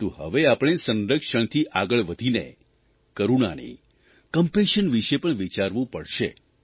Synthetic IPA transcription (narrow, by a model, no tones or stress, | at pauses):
t̪uɦə̰ʋeapɽ̃esə̃nɾəkʃəɳt̪ʰiʔaɡəɭʋəd̪ʱinḛ | kəɾuna̰nḭ | kəmpeʃənʋiʃepəɳʋit͡ʃaɾʋũpəɽʃḛ